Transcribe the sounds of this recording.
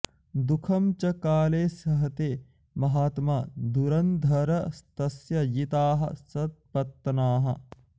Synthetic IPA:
d̪ukʰɐmt͡ʃɐkaːleːsɐɦɐt̪eː | mɐɦaːt̪maːd̪uɾɐnd̪ʱɐɾɐst̪ɐsjɐjit̪aːɦɐ̰sɐt̪̚pɐt̪ːɐnaːɦɐ̰

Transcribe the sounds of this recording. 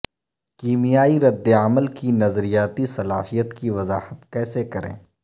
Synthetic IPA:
kiːmijaːiɾɐd̪ːeəməlkinɐzɾijaːt̪isɐlaːhijət̪kiʋɐzaːhət̪kɛːsekɐɾḛ̃ː

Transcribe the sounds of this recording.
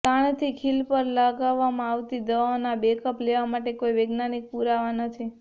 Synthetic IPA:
t̪aɳ̃t̪ʰikʰilpəɾlaɡaʋːamãaʋt̪id̪əʋanabekəpleʋamaʈekoiʋeɡnanik̚puɾaʋanət̪ʰi

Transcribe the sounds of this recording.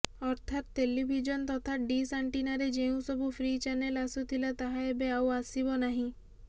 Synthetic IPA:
ɔɾt̪ʰat̪ːelibʱid͡ʒɔnt̪ɔt̪ʰaɖisaɳʈinaɾed͡ʒeũsɔbʱupʰɾit͡ʃanelasut̪ʰilat̪aɦaebeawasibɔnaɦĩ

